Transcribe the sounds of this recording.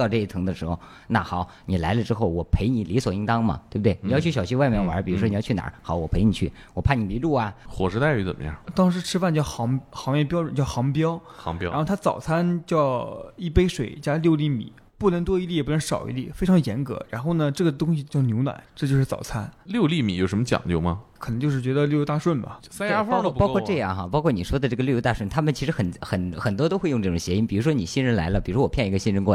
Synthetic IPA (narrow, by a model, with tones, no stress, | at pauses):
ɑ˥˧ʈ͡ʂɤ˥˧i˥˩t̪ʰɤ˧˥ŋd̪ə˧ʂɻ̩˧˥xo˧ʊ | na̰˥˩xɑ˨˩˦ʊ | ni˨˩la˧˥ɪlə˧ʈ͡ʂɻ̩˥xo˥˩ʊwɔ˨˩pʰe˧˥ɪni˨˩li˧˥swɔ˨˩i˧˥t̪ɑ˥ŋmɐ̰˨t̪we˥˩b̚t̪wɪni˨˩jɑ˥˧t͡ɕʰy˥˩ɕjɑ˨˩ɕi˥wa˥˧ɪmjɛ˥˩nwɐ̰˧˥pi˨˩ɻu˧˥ʂ̬wɔ˥i˨˩jɑ˥˧˩na̰˨˧˥xɑ˨˦ʊwɔ˨˩pʰe˧˥ɪni˨˩t͡ɕʰy˥˩ | wɔ˨˩pʰa˥˩ni˨˩pi˧˥lu˥˩ɐ˨xwɔ̰˨˩ʂɻ̩˧˥t̪a˥˩ɪy˧˥t͡sə̰˨˩mə̰˧˦jɑ̰˥˩t̪ɑ˥ŋʂ̬ɻ̩˧˥ʈ͡ʂʰɻ̩˥fa˥˧nt͡ɕjɑ˥˩ʊxɑ˧˥ŋxɑ˧˥ŋjɛ˥˧pjʊʈ͡ʂnt͡ɕjɑ˥˩xɑ˧˥ŋpjɑ˥ʊɑ̰˧˥ŋa˥˧˥xt̪ʰt͡sɑ˨˩ʊt͡sʰa˥nt͡ɕjɑ˥˩ʊi˥˩pe˥ɪʂwe˨˩ɪt͡ɕja˥ljo˥˧ʊli˥˩mḭ˨˩˦ | pu˥˩nə˧˥ŋt̪̬wɔ˥i˧˥li˥˩˨pu˥˩nə˧˥ŋʂɑ˨˩ʊḭ˧˥lḭ˥˩fe˥ʈ͡ʂʰɑ˧˥ŋjɛ˧˥nkɤ̰˧˥ɻa̰˧˥nxo˥˩ʊnə˩ʈ͡ʂɤ˥˩ɡə˩t̪ʊ˥ŋɕi˧t͡ɕjɑ˥˩ʊnjo˧˥ʊnwa̰˨˩˦ʈ͡ʂɤ˥˧t͡ɕo˥˧ʂɻ̩˥˩t͡sɑ˨˩ʊt͡sʰa̰˥nljo˥˧ʊli˥˩mḭ˨˥jo˨˩ʊʂə˧˥mə˧t͡ɕjɑ̰˨˩ŋt͡ɕjo˥˧ʊmɐ˩kʰnə˧˥ŋt͡ɕjo˥˧ʊʂɻ̩˥˩t͡ɕɥɛ˧˥d̪ə˧ljo˥˧jt̪a˥˧ʂwə˥˩nmɐ̰˩ | sa˥ja˥fkpɑ˥ɔ˥˧ʈ͡ʂɤ˥˧jɑ̰˥˩ŋxɐ̰˩pɑ˥kʰɔ˥˩ni˨˩ʂwɔ˥d̪ə˨ʈ͡ʂɤ˥˩ə˩ljjo˥t̪a˥˧ʂwə˥˩nt̪ʰa˥mə˨nt͡ɕʰi˧˥ʂɻ̩˧˥xə˨˩nxə˨˩nxə˩nt̪wɔ˥t̪o˥ʊxe˥˧ɪjʊ˥˧ʈ͡ʂɤ˥˩ʈ͡ʂʊ˨˩ŋɕjɛ˧˥i˥npi˨˩ɻu˧˥ʂwɔ˥ni˨˩ɕi˥nɻə˧˥nla̰˧˥ɪlə˧pi˨˩ɻu˧˥wɔ˨˩pʰjɛ˥˩ni˧˥ɡə˧˩ɕi˥n˥ɻə˧˥nkwɔ˥˩